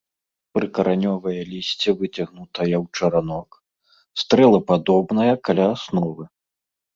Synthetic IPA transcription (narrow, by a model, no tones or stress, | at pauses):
pɾɨkɐɾʔanʲɔvɐjɐlʲisʲt͡sʲɛvɨt͡sʲaɣnut̪ɐjɐwt͡ʂɐɾanɔk | st̪ɾɛlˠɐpad̪ɔbnɐjɐkalʲaːsnɔvɨ